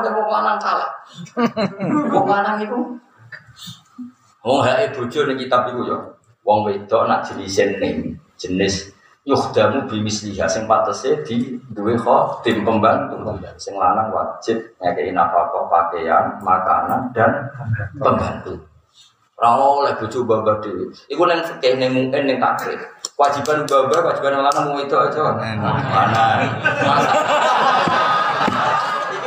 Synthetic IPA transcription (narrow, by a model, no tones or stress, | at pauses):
əbuklanaŋsala | buklanaŋiku | wɔŋɦaʔed̪̥o̤̥d͡ʒ̥ɔ̤nɪŋkit̪abikujɔ | wɔŋwed̪̥ɔ̤ʔnaʔd̪̥i̤lisɪnːɪŋd͡ʒ̥ənɪs | juχd̪̥a̤mub̥i̤mɪsliɦaʔsɪŋpat̪əsed̪̥i̤d̪uwexɔd̪̥ɪmpəmbaŋt̪ut̪ujasɪŋlanaŋwa̰̥d͡ʒ̥ɪt̪̚ɲakeʔinapakɔʔpakeanmaka̰nand̥anppəŋɡant̪u | rawɔlɛb̥o̤t͡ʃubambad̥ewɪikunɛŋsəkɛhnɪŋmuʔɪnːɪŋt̪a̰kɪ̰kəwḁd͡ʒ̥i̤banubabakəwḁd͡ʒibanːɪŋlanaŋbuŋit̪ɔad͡ʒɔmanamaaa | ana